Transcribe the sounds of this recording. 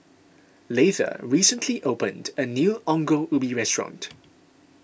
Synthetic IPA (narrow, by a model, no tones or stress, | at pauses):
letə̰ɹiːsə̃ntʰliʔopə̃ndənjuːʔɔ̃ŋɡoʔubiɹɛstɹɔ̰̃nt